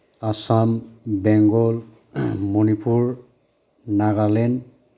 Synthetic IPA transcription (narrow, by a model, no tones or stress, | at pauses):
asambɛŋɡɔl | monipʰuɹ | naɡalɛn